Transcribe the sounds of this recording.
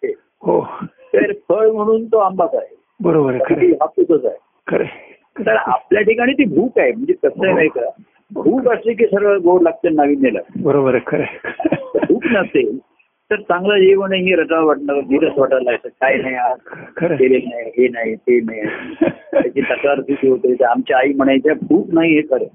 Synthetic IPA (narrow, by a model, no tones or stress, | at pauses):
e | ɦo | t̪eɾfʰəɭm̤əɽ̃uːnt̪oambasaɦe | bəɾobəɾaiɾiɦap̪ːut̪ət͡saɦe | kəɾḛ | t̪əɾa̰pljaʈikaɽ̃iːt̪ibʱuːkaɦjem̤əɳd͡zekəsəɦjmajkaɾa | bʱuːkaslik̬isəɾʋəɡoɽlək̚t͡ɕənnːaʋiːnːelə̰bəɾobəɾkəɾe | bʱuːknəsel | t̪əɾt͡sãŋɡləjeʋəɳẽɦeɾəʈʋaʋaʈnədiɾəsʋaʈəlaet̪əkajnajakʰəɾet̪eɾenaɦiɦenaɦit̪enajat̪at͡ɕit̪əkaɾb̪ʱuːkɦot̪et̪eamt͡ɕaaiːm̤əɳətjabʱuːknaɦiɦekʰəɾe